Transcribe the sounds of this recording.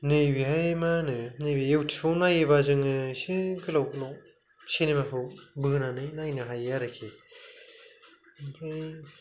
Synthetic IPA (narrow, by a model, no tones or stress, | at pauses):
nɯjbiɦajmanɯnɯjbijɯwtʰi̥pʰɯwnajɯβazɯŋɯsiɡɯlawɡɯlɔw | senimakʰɯwbɯnanɯjnajnɯɦajaɾɯkʰi | pʰɯj